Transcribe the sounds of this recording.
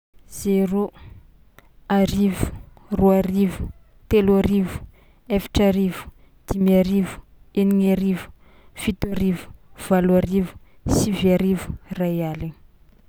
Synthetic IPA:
z̥eɾo | aɾivu̥ | ruaɾivu̥ | t̪eluaɾivu̥ | efi̥ʈ͡ʂaɾivu̥ | d̪̥imiaɾivu̥ | eniŋaɾivu̥ | fit̪uaɾivu̥v̥alwaɾivu̥ | siviaɾivu̥rajalin

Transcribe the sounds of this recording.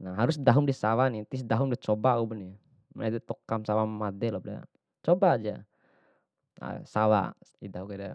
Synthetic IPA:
naɦaɾusdaɦumdisawanit̪is̬daɦumdit͡ʃɔbaubəni | mad̪ɛt̪ɔkamsawamadɛlɔp̚da̰ | t͡ʃɔbad͡ʒa | a̰sawa̰idaɦukɛda

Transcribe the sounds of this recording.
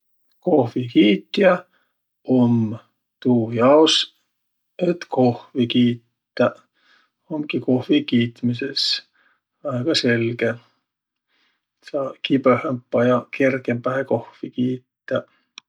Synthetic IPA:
kohʋikiːt̪ːjæ | om | t̪uːjɑos | et̪kohvikiːt̪ːæ | omkikohvikiːt̪mises | ɑeɡ̥ɑselke | sɑːkipøhæmpːɑjɑkerkempæhekohvikiːt̪ːæ

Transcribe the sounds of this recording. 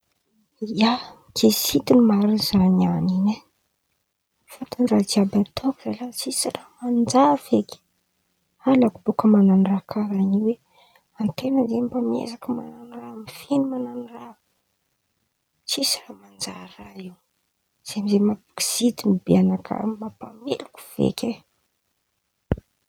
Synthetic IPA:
a | kesit̪inimaɾinzananine | fat̪anirad͡ʒiabat̪ʰokuzalat͡sisiramand͡ʒavekʲi̥ | alakubukəmananrakʰaɾaniwe | ant̪enənzembamḛzakəmananiramifinimananira | t͡sisiramand͡ʒaɾaiw | z̥emizemabu̥ki̥z̥it̪imibianakʰə̰mapamḛluku̥v̥ḛkʲe

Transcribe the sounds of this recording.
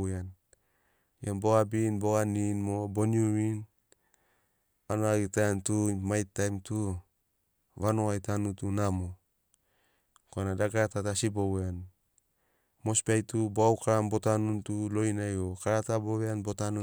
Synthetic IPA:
an | jambo̞ɡabinbo̞ɡaninmobo̞niuɾin | anoaɡitaantumajtːajmtu | βanoajtanutunamo | koanadaɡaɾatatasibowan | mo̞spiajtuboawkaɾambo̞tanuntulo̞inajokaɾataboweanbo̞tanu

